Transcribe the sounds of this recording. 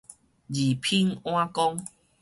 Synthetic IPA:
d͡ʑi˨˩pʰi˦ŋw̃ã˦kɔ˦ŋ

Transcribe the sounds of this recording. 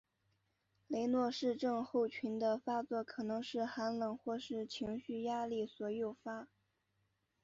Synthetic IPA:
le˧˥ɪnwɔ˥˧ʂɻ̩˥˧ʈ͡ʂɤ˥˧ŋxo˥˩ʊt͡ɕʰy˧˥nd̪ə˧fa˥t͡swɔ˥˩kʰɤ˨˩nɤ˧˥ŋʂɻ̩˥˩xa˧˥nlɤ˨˩ŋxwɔ˥˧ʂɻ̩˥˩t͡ɕʰi˧˥ŋɕy˥˩ja˥li˥˩swɔ˨˩jo˥˩ʊfa˥

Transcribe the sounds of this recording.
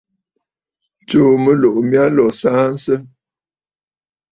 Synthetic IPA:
t͡ʃo˨mə˦lo˨ʔmja˦lɔ˨saː˦n̩˦sə˦

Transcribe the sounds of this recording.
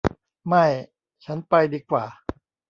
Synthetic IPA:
ma˥˩j | t͡ɕʰa˦˥npa˧jdiː˧kwaː˨˩

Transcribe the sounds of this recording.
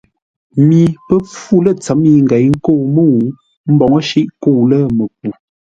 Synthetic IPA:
mi˨pə˦p͡fu˦lə˦˨t͡sə˨˦mi˦ŋ̩˨ɡɛ˨˦jŋ̩˦ko˦˨mo˦˨˦ | m̩˦bɔ˨ŋə˦ʃi˦ʔko˦˨lə˦mə˨p̚u˨

